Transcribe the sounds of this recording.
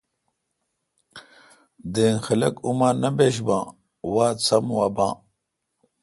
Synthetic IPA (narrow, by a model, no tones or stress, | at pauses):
d̪eːnxɐlɐkumaːnɐbeɕ̬bãː | waːt͡sʰɐmwaːbã̰ː